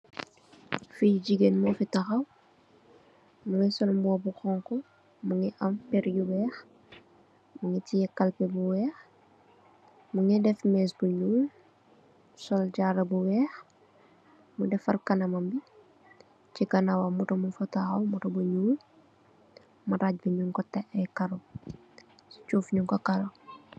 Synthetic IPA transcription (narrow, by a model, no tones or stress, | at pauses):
fijɟiɡenmɔfitɐxɐw | muŋɛsɔlmbɔːbuxɔːŋkɔ | muŋɛʔɐmpɛɾjuwɛːx | muŋɛtijɛkɐlpɛbuwɛːx | muŋɛdɛfmɛːsbuɲuːl | sɔlɟaɾɐbuwɛːx | mudɛfɐrkɐnɐmɐmbi | cikɐnawamutomufɐtaɐwmutɔbuɲuːl | maɾaɟ̚biɲuŋkɔtɐʔɛkaɾo | st͡ʃuːfɲuŋkɔkaɾo